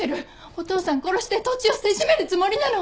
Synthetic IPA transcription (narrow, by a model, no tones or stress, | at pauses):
eɾɯ̟ | ot̪o̞ːsãŋko̞ɾo̞ɕi̥t̪et̪o̞t͡ɕiose̞ʑime̞ɾɯ̟t͡sɨmo̞ɾʲinano